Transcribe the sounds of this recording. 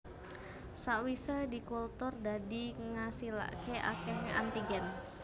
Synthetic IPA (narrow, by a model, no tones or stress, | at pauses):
saʔwisədikult̪ʊrdadiŋasila̰keʔa̰kɛhnʔa̰nt̪iɡɛn